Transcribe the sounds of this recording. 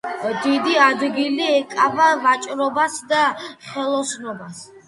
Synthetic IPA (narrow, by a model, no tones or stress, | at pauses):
d̪id̪iad̪ɡiliɛkʼavavat͡ʃʼɾɔbasd̪aχɛlˠɔsnɔbas